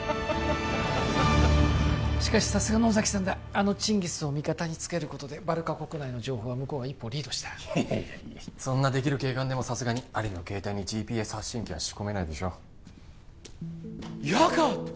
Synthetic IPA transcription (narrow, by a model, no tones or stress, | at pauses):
ɕi̥kaɕi̥sasɨɡano̞ːzakʲi̥sãnd̪a | ano̞t͡ɕĩŋɡʲisɨo̞mʲikat̪aɲ̟it͡sɨ̥ke̞ɾɯ̟ko̞t̪o̞d̪e̞baɾɯ̟kako̞kɯnaino̞ʑo̞ːɦo̞ːβamɯ̟ko̞ːβaipːo̞ːɾʲiːd̪o̞ɕi̥t̪ḁ | sõ̞nːad̪e̞kʲiɾɯ̟ke̞ːkãnd̪e̞mo̞sasɨɡaɲ̟iaɾʲino̞ke̞ːt̪aiɲ̟id͡ʑiːpʲiːeshaɕːĩŋkʲiβa̰ɕi̥ko̞me̞naid̪e̞ɕo̞ː | jaka